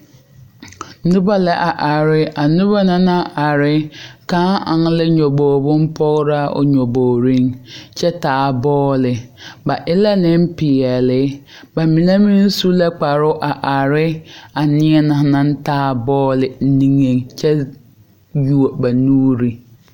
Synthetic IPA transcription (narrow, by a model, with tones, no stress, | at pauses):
nʊ˦ba˦lɛ˨ʔa˨ʔa˨ɾɪ˦a˨nʊ˦ba˦na˦na˦ʔa˨ɾɪ˦kã˦a̰˨ŋ˦lɪ˦ɲɔ˨boː˨bʊ˦m˦pʰɔ˦ɣɾa˦ʊ̰˨ɲɔ˨boː˨ɾi˦ŋt͡ʃɛ˦taː˨˦bɔː˦lɪ˨ba˨ʔɪ˦la˦nɪ˦m̩˦pɪ˨ɛ˨lɪ˨˦ | ba˨mi˨ne˦mi˦n˦su˦lɛ˦k͡pa˨ɾʊ˦ʔa˨ʔa˨ɾɪ˦a˨nɪ˦ɛ˦nã˨˦nã˦n̩˦taː˦bɔː˦lɪ˨˦nĩ˦ŋe˦ŋt͡ʃɛ˦ | ju˨o˨ba˨nuː˦ɾi˨